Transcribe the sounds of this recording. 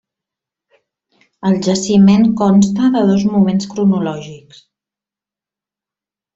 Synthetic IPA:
əlˠʒəsimeŋkɔnst̪əðəð̞ɔzmumenskɾunulɔʒiks

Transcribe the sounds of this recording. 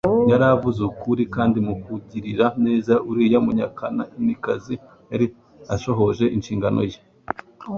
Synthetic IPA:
jaɾavuzukuɾikaːndimukuɟiɾiɾane̞ːzaʔuɾijamuɲakanaimikazi | haɾi | aʃo̞ɦo̞ʒe̞ʔinʃiːŋɡano̰je

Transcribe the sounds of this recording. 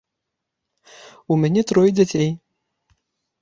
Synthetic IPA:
umʲanʲɛt̪ɾɔjd͡zʲat͡sʲej

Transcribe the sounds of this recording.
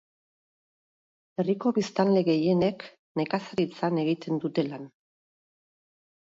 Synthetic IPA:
e̞riko̞βist̪anle̞ɣe̞je̞ne̞k | ne̞kasaɾit͡sane̞ɣit̪e̞nd̪ut̪e̞lan

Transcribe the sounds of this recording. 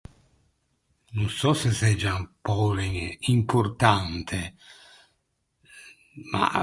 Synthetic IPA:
nunsɔsɛsɛd͡ʒːampɔliŋimpuɾt̪ant̪ʰe | ma̰

